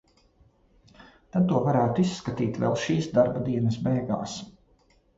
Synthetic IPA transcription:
t̪ad̪̚t̪uɔvaɾæːt̪ʊisːkat̪iːt̪vɛ̰lˠʃiːsd̪aɾbad̪iɛnɐsbejɡaːs

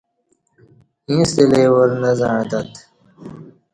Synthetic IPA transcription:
ĩːst̪eleːwɐɾnɐzãːd̪ɐt̪

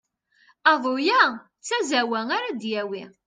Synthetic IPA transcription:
ɑðˤojæ | t͡sːæzæwæŋaɾad̪jæwi

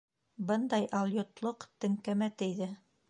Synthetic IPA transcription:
bɤnd̪ɑjʔɑlˠʲjot̪lˠɤqt̪ɘ̆ŋkæmæt̪ɘ̆jðɘ

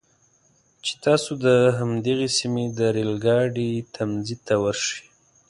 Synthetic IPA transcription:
t͡ʃe̥t̪ɑsod̪əɦamd̪əɣesimed̪əɾelɡɑɖit̪ʰamzid̪̚t̪awəɾʃə̥

